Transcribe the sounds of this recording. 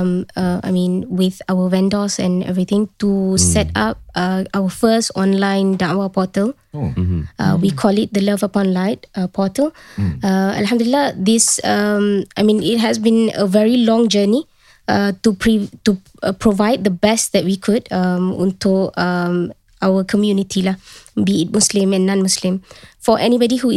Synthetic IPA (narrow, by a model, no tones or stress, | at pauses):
mʌa̰jmĩnwɪðawəwɛ̃ndɔsɛ̰̃nɛ̰vɹit̪ɪ̃ŋtusɛtap̚ʔʌʔawəfəstɔ̃nlãɪ̃ndãnwapɔtəl | ʔʌ̰wikʰɔlɪt̚d̪ələvəpɔ̃nlaɪt̚əpʰɔtəlʌə̰lhãmdulilːad̪ɪsʌmajmĩnɪt̚ɦɛsbĩnə̰vɛɹilɔ̃ŋd͡ʒəni | ʌtupʰɹitu | pʰɹovaɪd̚d̪əbɛstd̪ɛt̚wikʰudʌmɔ̰̃ntuʌm | ʔawəkʰɔmjunitʰilabiɪt̚muslĩmɛ̃nːãnmuslɪ̃mfɔʔɛnibɔdihu